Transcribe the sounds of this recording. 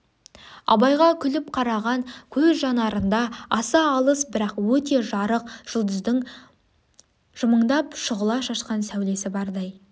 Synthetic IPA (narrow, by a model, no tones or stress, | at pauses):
ɑ̰bɑjʁɑkʲʰʏlɪpqʰɑɾɑʁɑŋkʲʰɵzʒɑnɑɾənd̪ɑɑsɑːlˠəsbɪɾɑqwɵt̪e̞ʒɑɾəqʒ̥əlˠd̪əzd̪ɪŋ | ʒ̥ʊməɴd̪ɑpʃʊʁəlˠɑʃɑʃqɑnsæwle̞sɪbɑɾd̪ɑj